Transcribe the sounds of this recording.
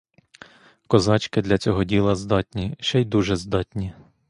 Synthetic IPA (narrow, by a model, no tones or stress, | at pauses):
kɔzɑt͡ʃkɪd̪lʲɐt͡sʲɔɦɔdʲilˠɐzd̪ɑtʲnʲiʃɛjd̪uʒɛzd̪ɑtʲnʲi